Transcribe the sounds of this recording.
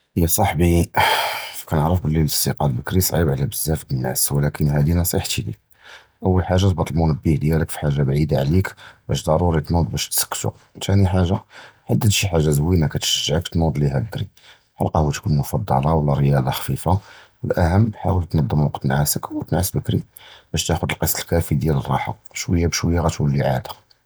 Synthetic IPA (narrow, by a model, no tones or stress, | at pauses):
ʔəjːæsˤɑħbi | fkænəʕɾəfbəlːiləst̪iqɑlbəkɾisˤʕibʕlæbəzːæfdənːæ̰swəlækənhæd̪inɑsˤḭħt̪ilḭ | ʔəwːəlħaʒːat̪bɑt̪ˤlmunəbːihd̪jæləkfi̥ħaʒːabʕid̪aʕlikbæ̰ʃd̪ˤɑɾˤuɾit̪nud̪ˤbæʃt̪sə̥kːt̪ṵ | t̪ʰæniħaʒːaħad̪ːəd̪ʃiħaʒːazwimækæt̪ʃəʒːʕəkt̪nud̪ˤliɦæd̪ɾḭ | ħa̰lqɑhut̪kunmʊfɑd̪ˤːɑ̰lɑwlːæɾəjɑd̪ˤɑxfifa | əlʔæɦəmːħawəlt̪nɑd̪ˤːəmwɑqt̪ːnʕasəkwət̪ənʕasbəkɾib̥æʃt̪æxʊd̪əlqɑsˤːəlkæfid̪jælərˤːɑ̰ħa̰ | ʃwəjːabʃwəjːaɣæt̪wəlːiʕa̰d̪ḁ